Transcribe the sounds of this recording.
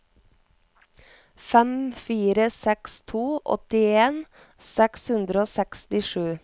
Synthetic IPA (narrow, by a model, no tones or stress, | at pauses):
fɛmfiːɾəsɛkst̪ʰuːʔɔ̰t̪ɪeːn | sɛkshʉnd̪ɾəoːsɛkst̪ɪʃʉː